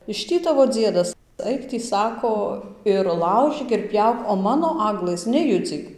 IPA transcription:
ɪʃ ˈtʲiː ˈtɑːʋoː ˈd͡zʲiɛdɐs ˈɐɪk tʲiː ˈsɑːkoː ɪr ˈlˠɐʊʒʲiːk ɪr ˈpʲjɛʊk oː ˈmɑːnoː ˈɑːɡlˠɘs nʲɛˈjʊd͡zʲiːk

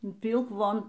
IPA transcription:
iː ˈpʲiːlˠk ˈʋoːn

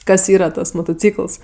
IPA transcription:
ˈkɐs ˈiːrɐ ˈtɐs moːtoːˈt͡sʲiːkəlˠs

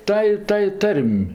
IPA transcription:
ˈtɑːj ˈtɑːj ˈtɐrʲmʲ

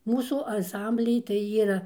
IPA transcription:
ˈmuːsuː ɐnˈsɐmʲbʲlʲɪj tɐɪ ˈiːrɐ

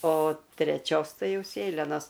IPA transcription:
oː tʲrʲɛˈt͡ʃʲoːs ˈtɐɪ ˈjɛʊ ˈsʲeːlʲɛnoːs

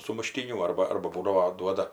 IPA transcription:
sʊmʊˈʃʲtʲiːnʲuː ˈɐrbɐ ˈɐrbɐ ˈbuːdɐʋoː ˈduɔdɐ

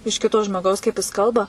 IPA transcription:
ɪʃ ˈkʲɪtoː ʒmoːˈɡɐʊs kɐɪp jɪs ˈkɐlˠbɐ

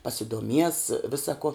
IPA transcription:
pɐsʲɪduɔˈmʲiɛs ˈʋʲɪsɐ koː

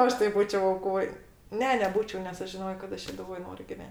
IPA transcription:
ˈɐʃ tɐɪ ˈbuːt͡ʃʲɛʊ ɐʊˈkoːj ˈnʲɛ nʲɛˈbuːt͡ʃʲɛʊ nʲɛs ˈɐʃ ʒʲɪˈnoːjoː kɐt ˈɐʃ ʃʲɛdʊˈʋoːj ˈnoːrʲʊ ɡʲɪˈʋʲɛnʲ

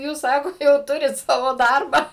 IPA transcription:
ˈjuːs ˈsɑːkoː jɛʊ ˈtʊrʲɪt ˈsɑːʋoː ˈdɐrbɑː

